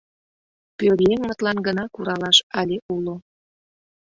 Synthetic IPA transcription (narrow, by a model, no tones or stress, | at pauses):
pøɾjeŋmə̆t̪lɑnɡənɑkuɾɑlɑʃɑlʲeulo